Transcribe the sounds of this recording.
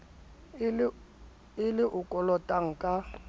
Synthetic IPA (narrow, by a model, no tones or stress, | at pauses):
ɪlɪʔʊkʼɔlɔtʼaŋ̩kʼa